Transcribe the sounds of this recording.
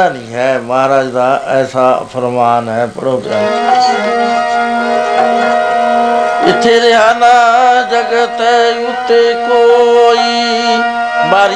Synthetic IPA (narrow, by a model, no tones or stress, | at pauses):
aːnĩːɦɛːməɦaːɾaːd͡ʒd̪aːɛːsa̰ːpʰəɾmaːnɦɛːpɽoːɡɾa̰ːm | ɪt̪ʰːeːɾɪɦaːnaːd͡ʒəɡət̪ɛʊt̪ːeːkoːiː | baːɾ